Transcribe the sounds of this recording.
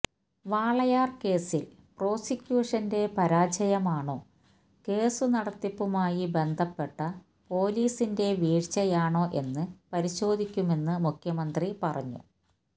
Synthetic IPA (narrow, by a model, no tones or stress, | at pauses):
ʋaːɭɐjaːrke̞ːsil | pro̞ːsikʲjuːʂɐnde̞pɐɾaːd͡ʑɐjɐmaːɳo̞ː | ke̞ːsunɐɽɐt̪ːipːumaːjibe̞nd̪ʱɐpːe̞ʈːɐ | po̞ːliːsinde̞ʋiːrt͡ɕːɐjaːɳo̞ːʔe̞nːɨpɐɾiɕo̞ːd̪ʱikʲːume̞nːɨmukʰjɐmɐnd̪ripɐrɐ̰ɲːṵ